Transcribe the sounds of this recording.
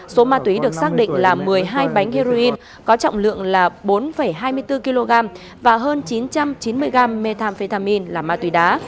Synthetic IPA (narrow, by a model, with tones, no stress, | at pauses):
so˨˦maː˧t̪wi˨˦ɗɨ˨˩əksaː˦˥k̚ɗḭ˧˨ŋ̟laː˨˩mɨ˨˩əjɦaː˧jɓa˨˦jŋ̟hi˧zo˧ʔi˧n | kɔ˨˦t͡ɕɔ̰˧˨wŋ͡mlɨ̰˧˨əŋlaː˨˩ɓo˨˦nfə˧˩jɦaː˧jmɨ˧əjt̪ɨ˧ki˧lo˧ɣaː˧m | vaː˨˩ɦəː˧nt͡ɕi˨˦nt͡ɕa˧mt͡ɕi˨˦nmɨ˧əjɣaː˧˩mːe˧t̪ʰaː˧mfe˧t̪aː˧mi˧nlaː˨˩maː˧t̪wi˨˦ɗaː˨˦